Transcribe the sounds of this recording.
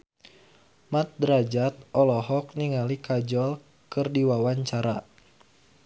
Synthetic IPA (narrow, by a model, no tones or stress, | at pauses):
mat̪̚dɾad͡ʒat̪̚ʔɔlɔɦɔk̚niŋalikad͡ʒɔl | kɨrdiwawaɲt͡ʃaɾa